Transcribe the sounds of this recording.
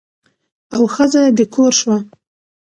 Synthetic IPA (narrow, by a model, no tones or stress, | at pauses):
awxəzad̪əkʰoɾʃwa